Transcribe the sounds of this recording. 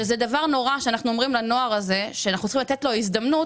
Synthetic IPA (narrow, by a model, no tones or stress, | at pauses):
ezed̪avaʁno̞ʁaʃeanaχnuomʁimlano̞aʁaze̞ʃeanaχnut͡ssχimlat̪et̪lo̞izd̪amnut